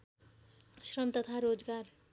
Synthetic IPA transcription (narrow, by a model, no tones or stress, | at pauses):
srʌmt̪ʌt̪ʰaɾod͡zɡar